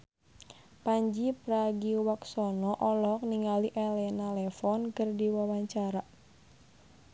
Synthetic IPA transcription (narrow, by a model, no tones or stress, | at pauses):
paɲd͡ʒipɾaɡiwaksɔnɔʔɔlɔk̚niŋaliʔɛlɛnalɛfɔnkərdiwawaɲt͡ʃaɾa